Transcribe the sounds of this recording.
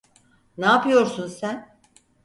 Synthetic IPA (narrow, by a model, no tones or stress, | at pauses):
naːpɯjo̞ɾsunsæn